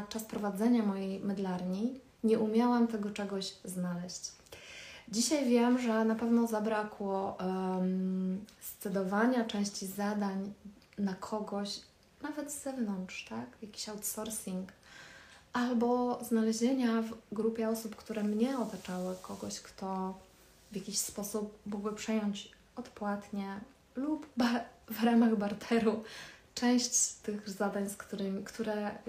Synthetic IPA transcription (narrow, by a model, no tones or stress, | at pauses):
t͡ʂaspɾɔvad̪zɛɲamɔjejmɛd̪laɾɲi | ɲɛʔumʲjawamt̪ɛɡɔt͡ʂɛɡɔʑznalɛɕt͡ɕ | d͡ʑiɕajvʲjɛmʐɛnapɛvnɔzabɾakwɔ | st̪sɛd̪ɔvaɲat͡ʂɛ̃w̃ɕt͡ɕizad̪aɲ | nakʰɔɡɔɕ | navɛd̪z̥ɛvnɔnt̪ʂt̪akjakʲi̥ɕawt̪sɔɾsʲiŋk | ʔalbɔznalɛʑeɲavɡɾupʲjɛɔsupkt̪uɾɛmɲɛɔt̪at͡ʂawɘkʰɔɡɔɕkt̪ɔ | vʲjakʲiɕspɔsup̚mːɔɡwɘpʂɛjɔɲt͡ɕ | ɔt̪pwat̪ɲɛ | lupbavɾamaɣbaɾt̪ʰɛɾut͡ʂɛ̃w̃ɕt͡ɕt̪ɘɣzad̪aɲskt̪uɾɘmʲikt̪uɾɛ